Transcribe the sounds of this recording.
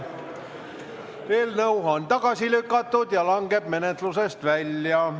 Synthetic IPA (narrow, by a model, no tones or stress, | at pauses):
eːlnɤuhont̪ɑɡ̥ɑsilykːˑɑt̪ːud̪̥jɑlɑŋɡe̞b̥me̞net̪lusest̪vælʲjɑ